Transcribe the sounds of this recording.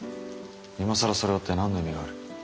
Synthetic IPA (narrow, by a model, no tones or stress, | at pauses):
imosaɾaso̞ɾe̞ot̪ːe̞nãnːomʲiɡaːɾɯ̟